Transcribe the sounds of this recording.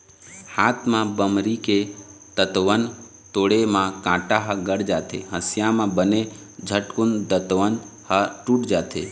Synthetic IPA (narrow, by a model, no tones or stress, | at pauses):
haːt̪ʰmãbəmɾiket̪ət̪ʋən | t̪oɽemãkãːʈaɦəɡəɽd͡ʒaːt̪ʰeɦəsjamãbəne | d͡ʒʱəʈkund̪ət̪ʋənhəʈuʈd͡ʒaːt̪ʰḛ